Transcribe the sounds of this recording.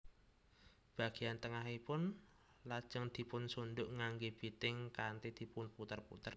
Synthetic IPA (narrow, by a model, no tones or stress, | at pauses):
b̥a̤ɡ̥i̤ant̪əŋaɦipʊn | lad̥ʒ̥əŋd̪̥i̤pʊnsundʊʔŋaŋɡeb̥it̪ɪŋkant̪id̪̥i̤pʊnput̪ərpṵt̪ər